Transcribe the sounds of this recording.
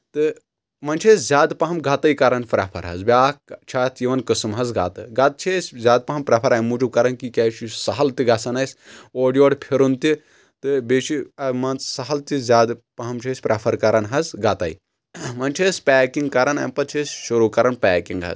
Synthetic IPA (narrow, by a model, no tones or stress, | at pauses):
t̪ɨ | mɐnt͡ʃʰeszʲaːd̪pɐɦɐmɡɐt̪ɐjkɐɾɐnpɾɐpʰɐ̰ɾɦɐ̰zbʲaːkt͡ʃʰaːt̪ʰjiʋɐnkɨsɨmɦɐzɡa̰t̪ɨɡɐt̪̚t͡ʃʰesʲzʲaːd̪̚pɐɦɐmpɾɐpʰɐɾɐːimuːd͡ʒub̚kɐɾɐnkikʲɐːt͡ʃʰisɐɦɐlt̪iɡɐsɐnɐsʲoːɖijoːɽpʰiɾunt̪i | t̪ɨbeʃʰiɐmɐnt͡ssɐɦɐlt̪izʲaːd̪pɐɦɐmt͡ʃʰesʲpɾɐpʰɐɾkɐɾɐnɦɐzɡɐt̪ɐ̰i | mɐnt͡ʃʰesʲpɛːkiŋɡ̚kɐɾɐnɐ̰mpɐt̪̚t͡ʃʰesʲʃuɾuːkɐɾɐnpʲɛːkiŋɡɦɐ̰z